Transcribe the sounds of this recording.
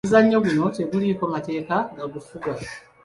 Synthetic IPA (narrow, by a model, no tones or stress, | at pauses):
zaɲːo̞ɣuno̞te̞βuliːko̞mate̞ːkaɡaɡufuɡa